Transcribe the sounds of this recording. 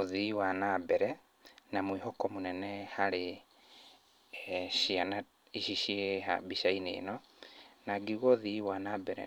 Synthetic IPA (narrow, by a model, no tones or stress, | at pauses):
oðiwanabɛɾɛ | namwiɦɔkɔmonɛnɛhaɾe | ɕiana | iʃiʃieɦa̰biʃainḛːnɔnaɡiɣɔðiwanaːbɛɾɛ̰